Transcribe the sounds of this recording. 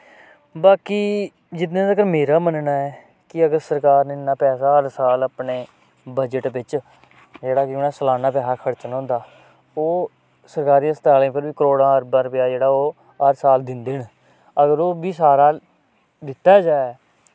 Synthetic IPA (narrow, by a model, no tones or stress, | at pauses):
baːkiː | d͡ʒɪt̪̬nẽːd̪əkəɾmeːɾaːmənnaːɛː | kɪəɡəɾsəɾkaːɾnenːaːpɛːs̬aːɦəɾsaːlaːpneː | bəd͡ʒəʈʋɪt͡ʃ | d͡ʒeːɽaːkɪoːnaːsəlaːnaːpɛːsaːkʰəɽt͡ʃənɦõːnd̪aː | oː | səɾkaːɾiːãːst̪aːlẽːpʰɪɾbiːkəɾoːɽãːəɾbəɾpjaːd͡ʒeːɽaːoː | ɦəɾsaːld̪ɪnd̪eːn | əɡəɾoːbiːsaːɾaː | d̪ɪt̪ːaːd͡ʒaːɛː